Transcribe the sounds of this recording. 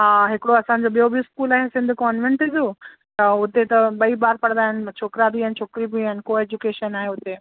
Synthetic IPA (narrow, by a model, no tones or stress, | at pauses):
ɦaːɦɪkɪɽoɐsãɲ̆d͡ʑoɓijobʱiɪskuːlaːɦesɪ̃nd̪ʱkɔːnʋẽɳʈɪd͡ʑoː | t̪ɐʊt̪et̪ɐɓɐibaːɾpɐɽ̃nd̪aːɦɪnɪ̆t͡ɕʰoːkɾabiɦant͡ɕʰoːkɾibianɪkoeːd͡ʑukeːʃənaːɦeʊt̪e